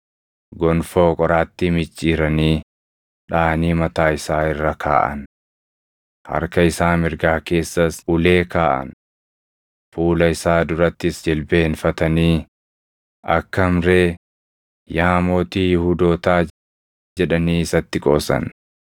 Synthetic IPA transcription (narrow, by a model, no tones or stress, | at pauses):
ɡɔnfo̞ːkʼɔɾaːt̪ːimɪt͡ʃʼːiːɾɐniː | ᶑaːniːmɐt̪aːɪsaːɪrːɐkʰa̰ːʔɐ̰n | hɐ̰ɾkɐɪsaːmɪɾɡaːke̞ːsːɐsʊle̞ːkaːʔɐ̰n | fuːlɐɪsaːd̪ʊɾɐt̪ːɪsd͡ʒɛlbeːhɪnfɐt̪ɐniː | ʔɐ̰kːɐmɾeː | jaːmoːt̪iːjhud̪o̞ːt̪aː | d͡ʒɛᶑɐniːɪsɐt̪ːɪkʼo̰ːsɐ̰n